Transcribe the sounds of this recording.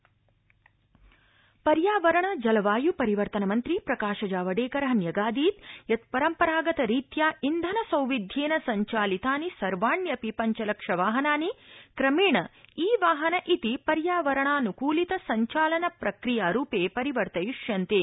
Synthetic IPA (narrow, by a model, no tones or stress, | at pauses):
pɐɾjaːʋɐɾɐɳɐd͡ʒɐlɐʋaːjupɐɾiʋɐɾt̪ɐnɐmɐnt̪ɾipɾɐkaːʃɐd͡ʒaːʋɐɖeːkɐɾɐɦɐnjɐɡaːd̪iːt̪jɐt̪̚pɐɾɐmpɐɾaːɡɐt̪ɐɾiːt̪jaːʔind̪ʱɐnɐsɐwʋid̪ʱjeːnɐsɐɲt͡ʃaːlit̪aːnisɐɾʋaːɳjɐpipɐɲt͡ʃɐlɐkʂɐʋaːɦɐnaːnikɾɐmiːɳɐiːʋaːɦɐnɐʔit̪ipɐɾjaːʋɐɾɐɳaːnukuːlit̪ɐsɐɲt͡ʃaːlɐnɐpɾɐkɾijaːɾuːpeːpɐɾiʋɐɾt̪ɐjuʂjɐnt̪e